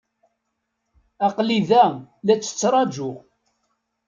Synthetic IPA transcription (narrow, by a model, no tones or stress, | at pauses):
ɑqliðælæt͡sːə̥t͡sːɾˤɑd͡ʒʊʁ